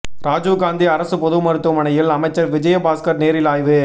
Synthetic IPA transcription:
ɾaːd͡ʒuɡaːnd̪iɐɾɐsɯpɔðɯmɐɾɯt̪ːɯmɐɳɐjɪlɐmɐɪt͡ʃːɐɾʋɪd͡ʒɐjɐbaːskɐɾneːɾɪlaːjʋɯ

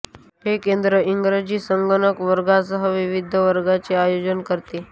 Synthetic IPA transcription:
ɦekend̪ɾəʔiŋɡɾəd͡ʑiːsəŋɡənəkʋəɾɡasəɦəʋiʋid̪ʱəʋəɾɡat͡seajod͡ʑənkəɾt̪e

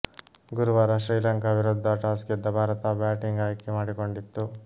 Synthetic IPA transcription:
ɡuɾuʋaːɾɐʃɾiːlɐŋkɐʋiɾoːd̪ʱːaʈaːsked̪ːɐbʱaːɾɐt̪abjaːʈiŋɡaːjkːimaːɽiko̞ɳɖit̪ːu

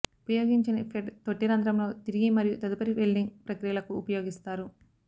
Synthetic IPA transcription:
upɐjoːɡiɲt͡ʃinipeɖt̪oʈːiɾɐnd̪ɾɐmlo̞ːt̪iɾiɡimɐɾijut̪ɐd̪upɐɾipelɖiŋɡpɾɐkɾijɐlɐkuːpɐjo̞ːɡist̪aːɾu

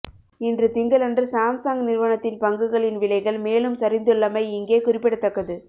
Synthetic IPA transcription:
ɪndrɯt̪ɪŋɡɐlɐndrɯsaːmsaːŋɡnɪɾʋɐɳɐt̪ːɪnpɐŋɡɯɣɐɭɪnʋɪlɐɪɣɐɭmeːlɯmsɐɾɪnd̪ɯɭːɐmɐɪɪŋɡeːkʊrɪpːɪɽɐt̪ːɐkːɐðɯ

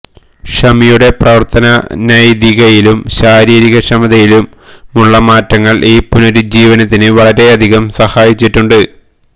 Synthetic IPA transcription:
ʂɐmijuɽe̞prɐʋɐrt̪ɐnɐnɐjd̪iɣɐjilumɕaːɾiːɾiɣɐʂɐmɐd̪ɐjilumː | uɭːɐmaːtːɐŋːɐɭʔiːpunoɾud͡ʑiːʋɐnɐt̪ːinɨʋɐɭɐɾe̞ɐd̪ʱiɣɐmsɐhaːjit͡ɕːiʈːuɳɖɨ

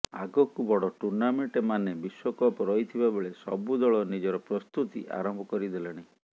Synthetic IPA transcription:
a̰ɡɔkubɔɽɔʈuɾnameɳʈemanebiswɔkɔpɔɾɔjt̪ʰibabeɭesɔ̰bud̪ɔɭɔnid͡ʒɔɾɔpɾɔst̪ut̪ḭʔa̰ɾɔmbʱɔkɔɾid̪eleɽ̃a

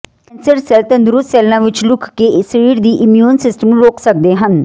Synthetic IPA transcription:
kɛ̃nsəɾsɛːlt̪ə̃nd̪ʊɾʊssɛːlːãːʋɪt͡ʃlʊkʰkeːsɾiːɖd̪iːʔɪmjuːnsɪsʈəmɾoːkʰsək̚d̪eːɦən

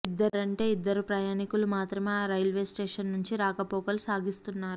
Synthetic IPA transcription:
id̪ːɐɾɐɳʈe̞ːid̪ːɐɾupɾɐjaːnikulumaːt̪ɾɐmeaɾɐjlʋe̞ːsʈe̞ːʂɐnːuɲt͡ʃiɾaːkɐpoːkɐlusaːɡist̪unːaːɾu

